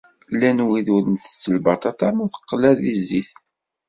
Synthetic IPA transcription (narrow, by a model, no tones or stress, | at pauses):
lːænwiðuɾənθə̥t͡sːəlbɑt̪ˤɑt̪ɑmuθə̥qːlæðizːiθ